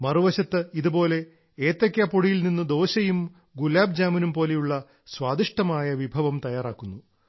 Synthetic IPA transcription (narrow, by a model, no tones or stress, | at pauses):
mɐruʋɐɕɐt̪ːɨiðubo̞ːle̞ | eːt̪ːɐkʲːɐpoɽijilninːɨd̪o̞ːɕɐjum | ɡulaːb̚d͡ʑaːmɐnumpoːlejuɭːɐ | sʋaːd̪iʂʈɐmaːjɐʋibʱɐʋɐmt̪ɐjaːraːkːunːu